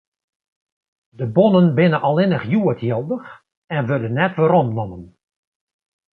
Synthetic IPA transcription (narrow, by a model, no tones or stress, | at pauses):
dəbɔnənbɪnəʔɑlˠɪnəχjuətjɪlˠdəx | ɛnʋødənːɛtʋəɾɔmnɔnən